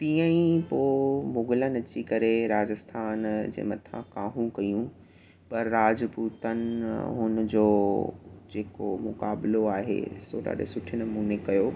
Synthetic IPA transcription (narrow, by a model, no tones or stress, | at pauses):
t̪ĩːə̃ĩpoːmʊɡɪlənɐt͡ɕikɐɾeɾaːd͡ʑəst̪ʰaːnd͡ʑḛːmɐt̪ʰã̰kaːɦũkɐjũ | pɐɾːaːd͡ʑpuːt̪ənɪɦʊnəd͡ʑoː | d͡ʑeːkomʊkaːbɪloaːɦḛsoːɗa̰ːɗḛsʊʈʰɪnɐmuːnekɐjoː